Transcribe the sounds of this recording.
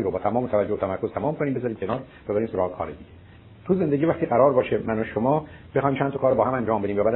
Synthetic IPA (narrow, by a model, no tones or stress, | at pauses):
iɾobɒːt̪ʰæmɒːmot̪ʰævæd͡ʒːot̪ʰæmæɾko̞z̥t̪ʰæmɒːmkʰoniːmbezɒːɾiːmcʰenɒːɾb̥ebæɾiːmsoɾɒːɣekʰɒ̰ːɾed̪iːɟe | t̪ʰuze̞nd̪eɟiːvæχt̪iːɢæɾɒːɾbɒːʃemænoʃomɒːb̥exɒːjimt͡ʃʰænt̪okʰɒːɾobɒːhæmænd͡ʒɒːmbe̞d̪iːmvæbæːd̪